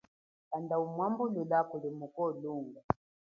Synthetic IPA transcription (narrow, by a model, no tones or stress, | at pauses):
kandaumwambululakulimukɔluːŋɡa